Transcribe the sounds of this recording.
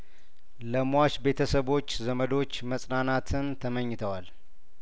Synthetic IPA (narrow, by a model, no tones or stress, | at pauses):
ləmwaʃbe̞t̪ʰəsəβo̞t͡ʃːzəməd̪o̞t͡ʃːməsʼnanat̪ʰɨnt̪ʰəməɲːɪt̪ʰəwal